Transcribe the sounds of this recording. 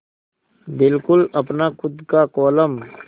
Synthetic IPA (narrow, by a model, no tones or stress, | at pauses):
bɪlkʊlɐpnakʊd̪kakɔːləm